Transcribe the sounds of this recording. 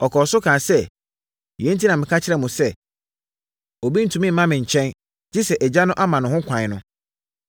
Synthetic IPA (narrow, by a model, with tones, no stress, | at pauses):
ɔ˨kʰɔː˨sʊ˦kʰãː˨sɛ˦˨ | ɛ̃˨˦n̩˦tʰi˦nã˨mɪ̃˨kʰa˦t͡ɕʰɪ˦ɾɛ˨mʊ̃˨sɛ˦ | o˨bi˦n̩˨tʰũ˨mɪ̃˦m̩˦mã˦mɪ̃˨ɲ̩˨t͡ɕʰɛ̃˦n | d͡ʑɪ˦sɛ˨ʔɛ˨d͡ʑa˦nʊ̃˦ʔa˦mã˨n˨ʊ̃˨hʊ̃˦kʷʰã˨ɪ˨nʊ̃˦